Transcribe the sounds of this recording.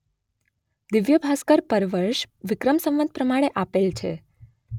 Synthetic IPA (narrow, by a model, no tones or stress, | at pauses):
d̪iʋjəbʱaskəɾpəɾʋəɾʃʋɪkɾəmsə̃mʋənd̪̚pɾəmaɽ̃eʔapelt͡ʃʰe